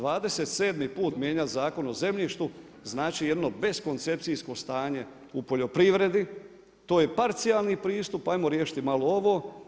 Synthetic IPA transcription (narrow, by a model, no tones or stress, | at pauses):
ʋaːd̪e̞se̞t̪se̞ːd̪mipuːt̪mje̞ɲat̪zaːko̞noze̞mʎiʃt̪u | znaːt͡ʃije̞d̪no̞be̞sko̞nt̪se̞p̚t̪sisko̞st̪aːɲe̞ | upo̞ʎo̞pɾiʋɾe̞d̪i | t̪o̞ːje̞paɾt̪sialˠnipɾiːst̪upaːjmoɾje̞ːʃi̥t̪imalooʋo̞